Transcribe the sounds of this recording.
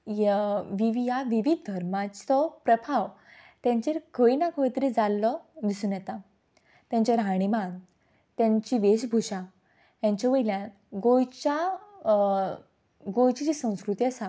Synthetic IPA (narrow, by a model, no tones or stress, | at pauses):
jʋiʋijaʋiʋid̪̚ʱd̪ʱəɾmat͡st͡sɔpɾəpʰaʋ | t̪jãɲt͡ɕeɾkʰəinakəjt̪ɾed͡zalːɔd̪isuːnjɛt̪a | t̪jãɲt͡ɕaɾɦãɽ̃iman | t̪jãɲt͡ɕiʋesbʱuɕa | jãɲt͡ɕaʋəjljã | ɡojt͡ɕa | ɡojt͡ɕit͡ɕisə̃w̃skɾut̪iasa